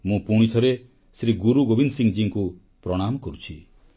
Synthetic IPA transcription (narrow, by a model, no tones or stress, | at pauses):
mũpuɽ̃it̪ʰɔɾe | sɾiɡuɾuɡobinsiŋd͡ʒiŋku | pɾɔɽ̃amɔkɔɾut͡ʃʰi